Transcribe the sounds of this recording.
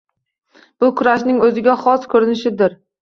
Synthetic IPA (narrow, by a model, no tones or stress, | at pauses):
b̥ʊkʰʊɾaʃnɪŋɵzɪɡʲaχɒskʰɵɾɪnɪʃɪd̪ɪɾ